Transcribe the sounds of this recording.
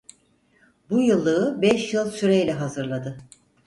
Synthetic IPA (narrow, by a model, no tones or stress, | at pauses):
bujɯlˠːɯːbɛʃjɯlˠsyɾejlʲɛɦazɯɾlˠad̪ɯ